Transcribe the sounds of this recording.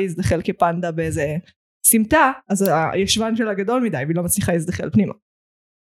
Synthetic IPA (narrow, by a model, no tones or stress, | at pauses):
isd̪aχelkepand̪abeeze | simt̪aazajaʃvanʃelaɡado̞lmidajveilo̞mat͡sliχaisd̪aχelpnima̰